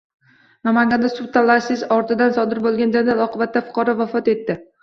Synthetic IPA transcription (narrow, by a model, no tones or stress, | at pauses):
namaŋʲɡʲand̪asʊt̪ʰalˠːasɪzɒɾt̪ʰɪd̪ansɒd̪ɪɾbolˠɡʲand͡ʒad̪alˠɒqɨbat̪ːafʊ̥qʰɒɾɒvafɒt̪e̞t̪ːɪ